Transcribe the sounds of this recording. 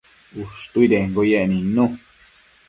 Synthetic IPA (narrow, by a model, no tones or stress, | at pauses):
uʂt̪uid̪eŋɡojeʔnĩnũ